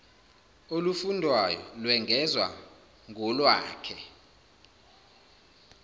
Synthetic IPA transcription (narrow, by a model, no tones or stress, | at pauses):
olufundʱwajɔ̰lwɛŋʱɛzwa̰ | ŋʱɔlwa̰ːkʰɛ